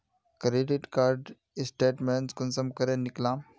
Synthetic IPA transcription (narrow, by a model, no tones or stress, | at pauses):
kɾeɖiʈkaɾɖ | sʈeʈmeɳskunsəmkəɾẽnːiklãm